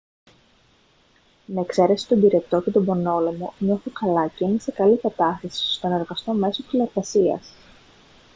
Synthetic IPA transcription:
nɐekse̞ɾe̞si̥t̪o̞biɾe̞t̪o̞ce̞t̪o̞bo̞no̞lo̞mo̞ɲo̞θukɐlɐcenesekɐlikɐt̪ɐst̪ɐsi̥st̪o̞ne̞ɾɣɐst̪o̞me̞so̞t̪ilɐɾpɐsiɐ̰s

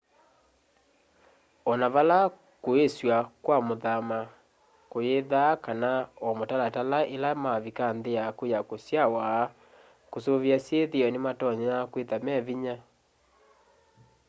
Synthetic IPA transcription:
ɔnaβala | koeswakwamoðama | kojeðakanaɔmotalatalaʔelamaβikanðeakojakosjawaː | kosoβjasjeðeɔnematɔɲenakwetamɛβiɲa

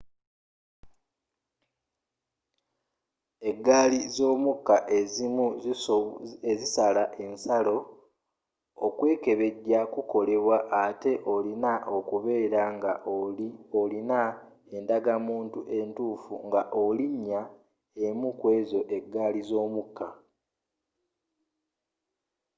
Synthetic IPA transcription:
e̞ɡːaːlizo̞ːmukːaʔezimu | ezisalaʔe̞nsalo̞ | okwe̞ːke̞βe̞ɟːakuko̞le̞βwaʔate̞ʔo̞linaʔo̞kuβe̞ːɾaŋɡaʔoliolina | e̞ndaɡamuːntuʔe̞ntuːfṵŋɡaʔoliɲːa | e̞mukwe̞ːzo̞ʔe̞ɡːaːlizo̞ːmukːa

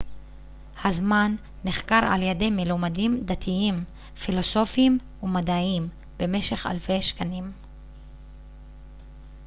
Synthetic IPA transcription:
hazmanː | eχkaʁa̰ljedejmilomadimd̪at̪ʰiim | filo̞so̞fim | umad̪aim | b̥e̞me̞ʃe̞χa̰lfe̞jʃkanim

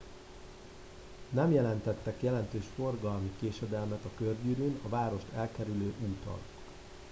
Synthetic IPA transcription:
nɛmjɛlɛnt̪ɛt̪ːɛkjɛlɛnt̪øːʃfo̞rɡɒlmikeːʃɛd̪ɛlmɛt̪ɒkørɟyɾyːnɒvaːɾo̞ʃt̪ʰɛlkɛɾyløːʔuːt̪ɒ̰lok

